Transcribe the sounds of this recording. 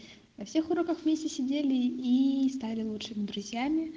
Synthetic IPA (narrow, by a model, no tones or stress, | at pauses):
nɐfsʲe̞xʊɾokəxvmʲesʲtʲɪsʲɪdʲelʲɪist̪alʲɪlˠutʂɨmʲɪd̪ɾʊzʲjamʲɪ